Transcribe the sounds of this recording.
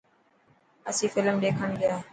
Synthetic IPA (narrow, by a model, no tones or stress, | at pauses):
əsĩːfɪlmɗeːkʰəɳɠɪjaː